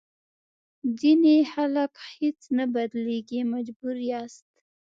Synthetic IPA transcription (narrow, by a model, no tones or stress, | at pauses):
zinexalakhet͡snabad̪leɡimad͡ʒbuɾjast̪